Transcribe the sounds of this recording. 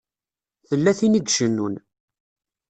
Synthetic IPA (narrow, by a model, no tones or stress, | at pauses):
θəlːæθiniɡʃənːun